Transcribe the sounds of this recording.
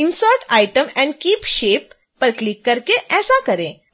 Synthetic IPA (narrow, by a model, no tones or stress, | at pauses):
insəɾʈajʈəmɛ̃ɳɖkiːpʃepː | əɾklikːəɾkeʔɛːsakəɾẽ